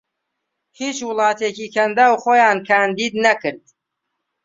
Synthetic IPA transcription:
hiːt͡ʃwʊlˠɑːt̪ʰeːciːkʰɐnd̪aːwχoːjaːnkʰaːnd̪iːd̪nɐkɨɾd̪̥

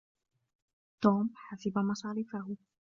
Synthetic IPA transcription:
t̪oːmħasabamɑsˤɑːɾɪfahʊ

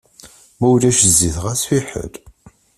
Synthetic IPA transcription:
mæwlæʃəzːiθʁæsfiħə̰ɾ

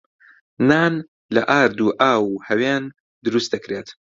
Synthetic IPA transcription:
naːn | lɐʔaːɾd̪uːʔaːwhɐwaːn | d̪ɨɾust̪d̪ɐkɾeːt̪

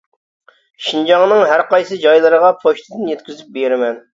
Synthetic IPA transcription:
ʃind͡ʒɑŋnɨŋɦæɾqɑjsɨd͡ʒɑjlˠɨɾəʁɑpʰoʃt̪ʰɪd̪ɨnjɛt̪̚kʲzyp̚beɾɪmɛn

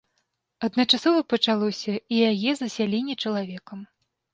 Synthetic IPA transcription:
ɐd̪nɐt͡ʂasɔvɐpɐt͡ʂalˠɔsʲɐijajɛzɐsʲalʲinʲit͡ʂɐlˠavʲɛkɐm

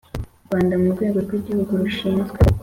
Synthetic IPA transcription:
uɾɡwaːndamuɾɡwe̞ːɡo̞ɾɡwiːɟihuɡuɾuʃiːnzɡwe

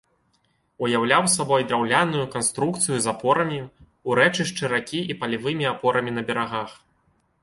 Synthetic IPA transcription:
ujawlʲawsabɔjd̪ɾawlʲanujukanst̪ɾukt̪sɨjuzapɔɾɐmʲi | uɾɛt͡ʂɨʂt͡ʂɨɾakʲiipɐlʲivɨmʲiapɔɾɐmʲinɐbʲɛɾaɣax

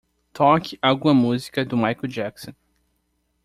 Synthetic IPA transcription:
t̪ʰɔkɪawɡũɐmuzikɐd̪ʊmajkod͡ʒɛksõ

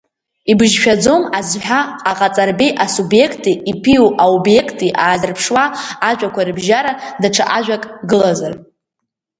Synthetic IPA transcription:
ibɨʒʃᶣad͡zo̞mazħʷᶣaqʼaqʼat͡sʼarbiʔasubje̞kʰtʼiipʰiuʔaubje̞kʰtʼiʔaːzɨrpʰʂwaːʒᶣʷakʷʰaɾɨbʒaɾadaʈ͡ʂʰa̰ʔaʒʷᶣakʼɡɨlazar

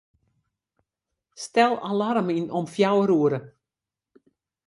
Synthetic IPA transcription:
stɛlˠalaɾminɔmfjawəɾuəɾə

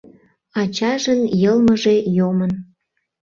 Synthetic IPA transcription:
ɑt͡ɕɑʒənjəlməʒejomən

